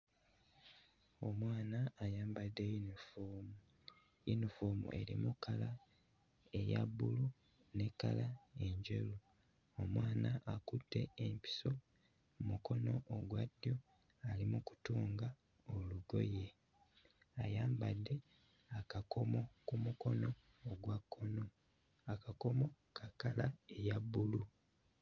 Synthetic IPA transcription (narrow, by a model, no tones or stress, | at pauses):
o̞mwaːnaːjaːmbadːe̞junifomu | junifoːmṵʔe̞̰ɾimukʰala | ejabulu | ne̞kalae̞ɲɟe̞̰lu | omwaːnaʔakutːe̞empi̥so̞ | muko̞no̞ʔoɡwadːjo̞ | alimuku̥tuːŋɡa | oluɡo̞̰je̞ | ajaːmbadːe̞ | akakʰo̞mo̞kumuko̞no̞ː | ɡwakʰːono | akako̞mo̞ | kʰakalaejabːulu